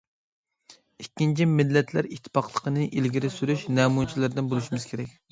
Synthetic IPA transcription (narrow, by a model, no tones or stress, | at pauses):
ikʲːint͡ʃʰimɪlːɛt̪ʰlæɾit̪ʰːɪ̥pɑqlˠəqʰənɨʔilɡʲiɾɪsyɾyʃnɛːmunt͡ʃʰilæɾd̪ɪnbolˠuʃimɪz̥kʲʰeɾɛk̚ʲ